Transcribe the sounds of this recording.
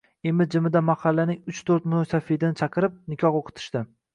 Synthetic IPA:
emɪd͡ʒɪmɪd̪amahɑlːanɪŋʊt͡ʃt̪ʰoɾt̪mʊnosafed̪ɪnɪt͡ʃʰɑqʰɨɾɪp̚nɪkʲʰɒχoqʰɨ̥t̪ʰɪ̥ʃt̪ɪ

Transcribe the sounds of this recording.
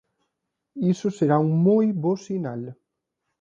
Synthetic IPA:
isʊseɾauŋmojβosinal

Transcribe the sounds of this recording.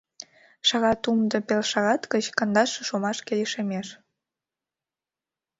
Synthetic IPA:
ʃɑɣɑt̪umd̪ə̆pelʃɑɣɑt̪kət͡ɕkənd̪ɑʃeʃomɑʃkeleʃemeʃ

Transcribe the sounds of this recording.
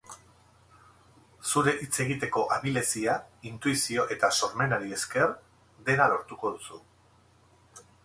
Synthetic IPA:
suɾe̞ʔit͡se̞ɣit̪e̞ko̞ʔaβile̞siaint̪uisio̞ʔe̞t̪aso̞ɾme̞naɾie̞ske̞r | d̪e̞nalo̞ɾt̪uko̞ð̞usu

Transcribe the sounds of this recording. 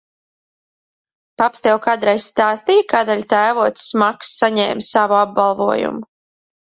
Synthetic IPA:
papst̪ɛwkad̪ɾajsst̪aːst̪ijkaːd̪aʎʲt̪æːvuɔt̪ssmaksːaɲɛːmsavuab̚balˠvuɔjṵmu

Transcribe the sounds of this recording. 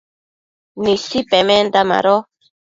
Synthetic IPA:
nisipemẽnd̪ama̰ɾo

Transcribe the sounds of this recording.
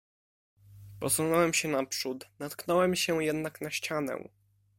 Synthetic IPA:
pɔsunɔwɛmɕɛnapʂut̪nat̪knɔwɛmɕɛjɛd̪naknaɕt͡ɕanɛ̰w̃

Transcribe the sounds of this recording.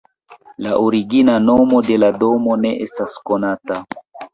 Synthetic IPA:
laʔoɾiɡinano̞mo̞de̞lado̞mo̞ne̞ʔestasko̞nata

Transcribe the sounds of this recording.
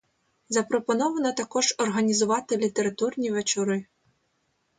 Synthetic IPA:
zɐpɾɔpɔnɔʋɐnɐt̪ɐkɔʒɔrɦɐnʲizʊʋɑt̪ɪlʲit̪eɾɐt̪urnʲiʋet͡ʃɔɾɪ

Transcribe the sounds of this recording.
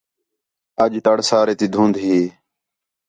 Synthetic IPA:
əʄʈəɽsaːɾeːt̪iːd̪ʱũːnd̪ɦeː

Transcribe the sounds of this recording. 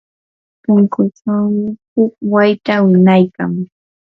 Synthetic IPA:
pʊŋkʊt͡ʃamɪhʊk̚wajt̪awɪnajka̰ŋ

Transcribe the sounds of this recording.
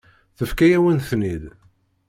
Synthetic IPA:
θəfkæjæwənθnid̪

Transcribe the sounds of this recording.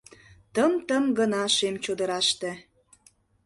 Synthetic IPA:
t̪əmt̪əmɡənɑʃemt͡ɕod̪əɾɑʃt̪ĕ

